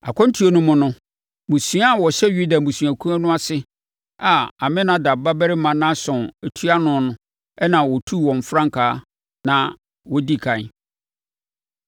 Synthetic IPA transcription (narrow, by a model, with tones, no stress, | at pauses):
a̰˨kʰʷɔ̃˦n̩˦tʰu˦o˦nʊ̃˦mʊ̃˨nʊ̃˦ | mũ˨sũ˨˦a˦˨wɔ˨ɕɛ˦ju˦da˨mũ˨sɥ̃æ˨kʰũ˦a˦nʊ̃˦a˦sɪ˦ | a˨a˨mɪ̃˦nã˦da˨ba˦bɛ˦ɾɪ˦mã˨nã˦sɔ̃˨næ˨tʰu˦a˦nʊ̃˨˦nʊ̃˦ | ɛ˦nã˨wɔ˨tʰu˦˨wɔ̃˨ɱ˨fɾã˦ŋ˨kʰaː˨˦ | nã˨ | wɔ˦di˦˨kʰã˨